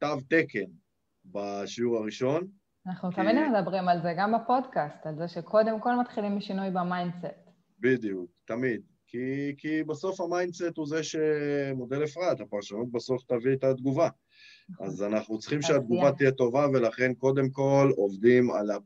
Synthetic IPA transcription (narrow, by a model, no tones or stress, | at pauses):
t̪avt̪eken | baʃiuʁaʁiʃo̞n | anaχnut̪amid̪med̪abʁimalzeɡambapo̞dkast̪alzeʃekʰo̞d̪e̞mko̞lmat̪χilimiʃinujbamajndset | bid̪ijukt̪amid̪̚ | kʰikibaso̞fhamajndset̪huze̞ʃemo̞d̪e̞lefʁat̪hapaʁʃanut̪̚baso̞ft̪aviet̪at̪ɡuva | azanaχnut͡sχimʃead̪̚ɡuvat̪ijet̪o̞vave̞laχe̞nko̞d̪e̞mko̞lo̞vd̪ima̰la